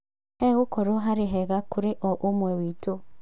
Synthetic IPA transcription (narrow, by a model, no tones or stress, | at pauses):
ɛɣʊkɔɾoɦaɾɪɦɛɣakʊɾeʔɔʔomwewito